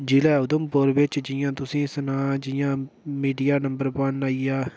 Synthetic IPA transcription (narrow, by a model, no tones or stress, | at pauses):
d͡ʒɪlɛːʊd̪əmpʊɾʋɪt͡ʃd͡ʒɪjãːt̪ʊsĩːsənãːd͡ʒɪjãːmiːɖijaːnəmbəɾpənaːiaː